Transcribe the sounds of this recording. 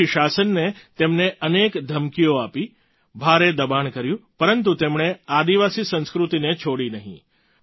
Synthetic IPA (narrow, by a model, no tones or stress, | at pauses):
iʃasənːet̪emneʔənekd̪ʱəmkijoapi | bʱaɾed̪əbankəɾjũpəɾənt̪ut̪emɳead̪iʋasisə̃nskɾut̪inet͡ʃʰoɽinəɦḭ̃